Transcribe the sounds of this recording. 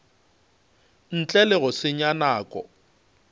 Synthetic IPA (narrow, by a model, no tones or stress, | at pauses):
n̩t͡ɬʼɛlɪɣʊsɪɲanaːkʼɔ̰